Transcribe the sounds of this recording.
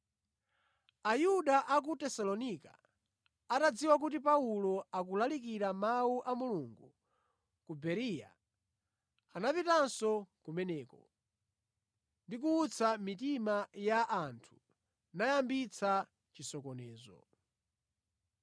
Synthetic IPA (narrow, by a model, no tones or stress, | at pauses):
ajuɗaʔak̬utɛsalɔnika̰ | atad͡ziwak̬ut̬ip̬aulɔak̬ulalikiɾamauʔamuluŋɡu | kubɛɾija̰ | anapitansɔkumɛnɛːkɔ̰ | ndik̬uːt͡sʰamitimajaʔantʰu̥ | najambit͡sʰa | t͡ʃisɔkɔnɛːzɔ̰